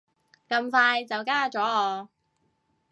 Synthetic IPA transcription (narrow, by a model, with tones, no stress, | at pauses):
kɐ˧mfaː˧jt͡sɐ˨wkaː˥t͡sɔː˨˥ɔː˨˧